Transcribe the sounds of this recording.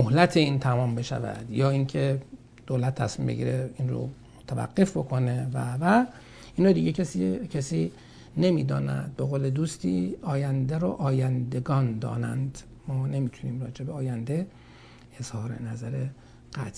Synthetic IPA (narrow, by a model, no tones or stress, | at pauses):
mohlæt̪ʰe̞iːnt̪ʰæmɒːmbe̞ʃæ̰væ̰d̪̥jɒːincʰe̞ | d̪̥oːlæt̪ʰːæ̰smiːmbeɟḭːɾeiːnɾo̰mot̪ʰævæ̰ɡːe̞fbo̞kʰo̞ne̞vævæ | inɒːd̪iːɟecʰesicʰesiː | ne̞miːd̪ɒ̰ːnæ̰d̪̚be̞ɣoːled̪uːst̪ḭːɒːjænd̪eɾɔ̰ʔɒːjænd̪e̞ɡɒːnd̪ɒ̰ːnæ̰nd̪ | mɒːne̞miːt̪ʰuniːmrɒːd͡ʒe̞beɒːjænd̪eː | z̥hɒːɾḛnæzæɾe | ɡ̥æt̪ʰ